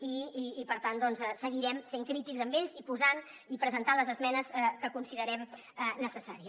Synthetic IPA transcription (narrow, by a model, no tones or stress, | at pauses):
iːpəɾt̪and̪ɔnzɛsəɣiɾɛmseŋkɾit̪ikzəmbeʎzipuzanipɾəzənt̪aləzəzmɛnəsɛkəkunsiðəɾɛm | ɛnəsəsaɾiə